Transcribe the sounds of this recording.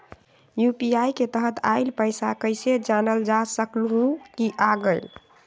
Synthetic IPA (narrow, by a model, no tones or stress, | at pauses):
jupiajket̪əɦət̪aɪlpəɪsakəɪsed͡ʒanəld͡ʒasəklɦũkiʔaɡəɪl